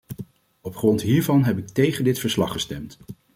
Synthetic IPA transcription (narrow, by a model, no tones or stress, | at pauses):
ɔpχrɔntɦiːɹvɑnɦɛpɪk̚tejχəndɪtfəɹslɑ̰χəstɛmt